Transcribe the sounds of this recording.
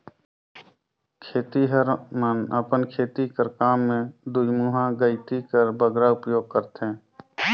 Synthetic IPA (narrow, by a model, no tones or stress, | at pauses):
kʰeːt̪iɦəɾmənə̰pənkʰeːt̪ikəɾkaːmːẽd̪ujmuːɦãɡəɪt̪ikəɾbəɡɾaʊpjoːɡ̚kəɾt̪ẽː